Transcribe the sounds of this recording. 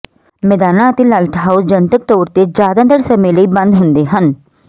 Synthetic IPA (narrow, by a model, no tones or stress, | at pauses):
mɛːd̪aːnãət̪elaːɪʈɦaːʊsd͡ʒənt̪ək̚t̪ɔːɾt̪ed͡ʒjaːd̪aːd̪əɾsəmẽləiːbənd̪ɦʊnd̪eːɦən